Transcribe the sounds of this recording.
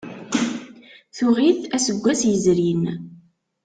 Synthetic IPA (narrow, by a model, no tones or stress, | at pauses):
θʊʁiθæsəɡʷːæsjəzɾin